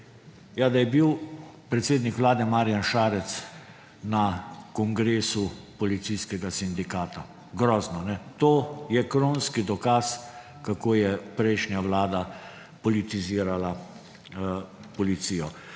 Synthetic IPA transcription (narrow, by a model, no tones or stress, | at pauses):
jad̪ajɛbiw | pɾɛt̪seːd̪nikʋlaːd̪ɛmaːɾijanʃaːɾɛt̪s | nakɔŋɡɾeːsupɔlit̪siskɛɡasind̪ikaːt̪a | ɡɾɔːznɔnɛt̪oːjɛkɾoːnskid̪ɔkaːs | kakoːjɛpɾɛɪʃnjaʋlaːd̪a | pɔlit̪iziːɾala | pɔlit̪sijɔ